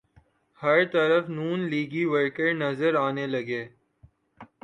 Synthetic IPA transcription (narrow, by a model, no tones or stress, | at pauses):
hɐɾt̪ɐɾəfnuːnliːɡiʋəɾkəɾnɐzəɾaːnelɐɡeː